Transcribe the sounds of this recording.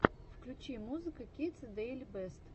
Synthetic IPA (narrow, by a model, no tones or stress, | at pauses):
fklʲut͡ɕimuzɨkəkʲit̪səd̪ɛlʲbɛst̪